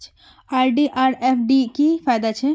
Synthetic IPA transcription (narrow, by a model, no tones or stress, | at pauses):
t͡ʃ | aːɾɖiʔaːɾepʰɖikifaːjd̪at͡ʃʰɛ